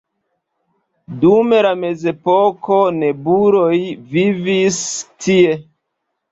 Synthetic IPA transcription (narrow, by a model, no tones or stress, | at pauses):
dume̞lame̞ze̞poko̞ne̞buɾo̞jvivistʰie̞